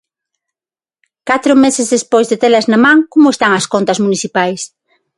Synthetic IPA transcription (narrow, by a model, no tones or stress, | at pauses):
kat̪ɾʊmesezðespojzðet̪elɐznamãŋkomʊest̪aŋɐskont̪ɐzmuniθipajs